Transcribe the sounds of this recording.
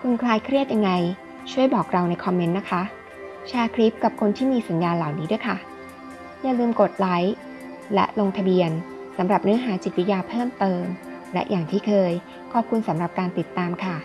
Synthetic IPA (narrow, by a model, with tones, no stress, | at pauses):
kʰu˧nkʰlaː˧jkʰɾi˥˩ət̪̚ja˧ŋːa˧j | t͡ɕʰu˥˩əjbɔː˨˩k̚ɾa˧wna˧jkʰɔ˧mːe˧˦˥nːa˦˥kʰa˦˥ | t͡ɕʰaː˧kʰɾi˦˥p̚ka˨˩p̚kʰo˧nt̪ʰiː˥˩miː˧sa˨˩˦njaː˧nla˨˩wniː˦du˥˩əjkʰa˥˩ | jaː˨˩lɯː˧mko˨˩t̪̚la˦˥j | lɛ̰˦˥ʔlo˧ŋt̪ʰa˧bi˧ən | sa˩˦mɾa˨˩p̚nɯ˦˥ɐɦaː˩˦t͡ɕi˨˩t̪̚wi˦˥jaː˧pʰɤː˥˩mt̪ɤː˧m | lɛ̰˦˥ʔjʔaː˨˩ŋt̪ʰiː˥˩kʰɤː˧j | kʰɔː˨˩p̚kʰu˧nsa˩˦mɾa˨˩p̚kaː˧nt̪i˨˩t̪ːaː˧mkʰa˥˩